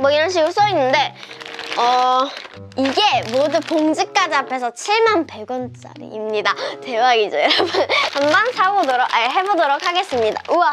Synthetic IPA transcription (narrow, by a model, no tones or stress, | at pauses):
mwʌiɾʌnɕ̬ʰiɡuɭs͈ʌinːɯnde̞ | ʌ | iɡe̞modupoŋd͡ʑɯk̚k͈ad͡ʑiapʰe̞sʰʌt͡ɕʰiɭmanpe̞ɡwʌnt͡ɕ͈a̰ɾḭimɲidate̞waɡid͡ʑojʌɾʌbunhambansʰaɡodoɾokeɦe̞bodʌɾok̚ʰaɡe̞s͈ɯmɲida̰ʔuwa